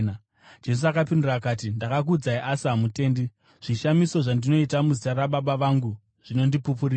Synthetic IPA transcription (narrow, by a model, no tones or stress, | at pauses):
d͡ʒe̞s̬uakapindurakatindakak̬ud͡zaiʔasiɦamute̞ːndi | ʐ̥iʃamiso̞ʐandino̞itamuzitaɾaɓaɓaʋaŋɡu | ʐ̥ino̞ndipupuriː